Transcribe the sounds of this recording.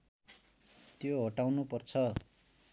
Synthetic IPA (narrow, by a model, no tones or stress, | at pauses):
t̪joɦʌʈawnupʌrt͡sʰʌ